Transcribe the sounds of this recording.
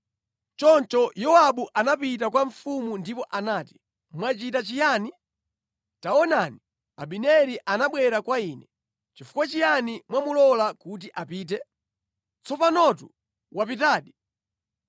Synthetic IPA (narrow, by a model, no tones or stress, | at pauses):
t͡ʃɔnt͡ʃɔjɔaɓuʔanapit̬ak̬waɱfumundipɔʔanaːti̥ | mwat͡ʃitat͡ʃijani | taɔnani | a̰ɓinɛɾiʔanaɓwɛɾakwaiːnɛ | t͡ʃifu̥kwat͡ʃijanimwamulɔlakut̬iʔapiːt̬ɛ | t͡sɔpanɔt̬ṵ | wapitaːɗi